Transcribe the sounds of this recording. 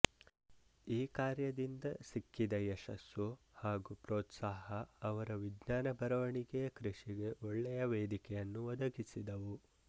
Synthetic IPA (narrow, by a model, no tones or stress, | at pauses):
iːkaːɾjɐd̪ind̪ɐsikːid̪ɐjɛʃɐ̰sju | haːɡupɾoːt̪saːɦɐːʋɐɾɐʋid̪naːnɐbʱɐɾɐʋɐɳiɡɛjɐkɾiʂiɡe̞ʔɔɭːɛjɐʋeːd̪ikɛjɐnːuʋɔd̪ɐɡisid̪ɐʋu